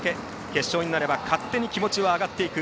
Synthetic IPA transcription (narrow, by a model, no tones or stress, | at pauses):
ke̞ | ke̞ɕːo̞ːɲ̟inaɾe̞bakʰat̪ːe̞ɲ̟ikʲimo̞t͡ɕiβaːɡat̪ːe̞ikɯ̟